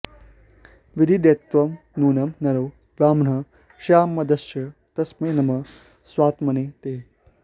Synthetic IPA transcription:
ʋid̪ʱid̪eːt̪ʋɐm | nuːnɐmnɐɾoː | ɾaːmɳ̤ɐ | ʃaːmːɐd̪ɐʃɐ | t̪ɐsmeːnɐmɐ | sʋaːt̪mɐneːt̪eː

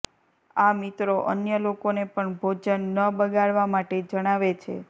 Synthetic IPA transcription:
amit̪ɾoʔənjəlokonepəɳbʱod͡ʒənːəbəɡaɭʋamaʈed͡ʒəɽ̃aʋet͡ʃʰḛ

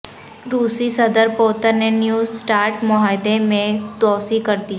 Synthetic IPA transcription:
ɾuːsisəd̪əɾpoːt̪ənːenjuːsʈaːɾʈmʊɦaːɪd̪emẽt̪ɔːsikəɾd̪i

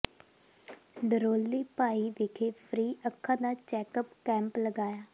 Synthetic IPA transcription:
ɖəɾoːlːiːpaːiːʋɪkʰeːpʰɾiːəkʰːãːd̪aːt͡ʃɛːkəpkɛ̃ːmpləɡaːjaː

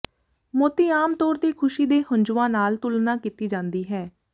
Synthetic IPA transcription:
moːt̪iːaːmt̪ɔːɾt̪eːkʰʊʃiːd̪eːhʊɲd͡ʒʋãːnaːlt̪ʊlnaːkit̪iːd͡ʒãːnd̪iːɦɛː

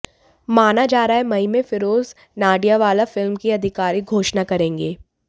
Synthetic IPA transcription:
maːnad͡ʒaːɾaːɦɛmɐimẽfɪɾoːz | naːɖijaʋaːlafɪlmkiɐd̪ʱɪkaːɾiɡʱoːʃnakɐɾẽːŋɡeː

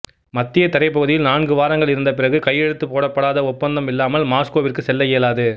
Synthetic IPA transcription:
mɐt̪ːɪjɐt̪ɐɾɐɪpːɐɣɯðɪjɪlnaːɳɡɯʋaːɾɐŋɡɐɭɪɾɯnd̪ɐpɪrɐɣɯkɐjːɛɽɯt̪ːɯpːoːɽɐpːɐɽaːðɐʊpːɐnd̪ɐmɪlːaːmɐlmaːskoːʋɪrkɯsɛlːɐjeːlaːðɯ

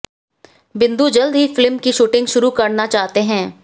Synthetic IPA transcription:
bɪ̃nd̪ud͡ʒɐld̪ɦifɪlmkiʃuːʈɪ̃ŋɡʃʊɾukɐɾnat͡ʃaːɦt̪eɦɛ̃ː

